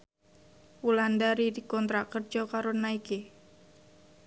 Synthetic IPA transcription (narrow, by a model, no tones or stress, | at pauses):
wulandaɾidikɔnt̪ɾakərd͡ʒɔkaɾonaiki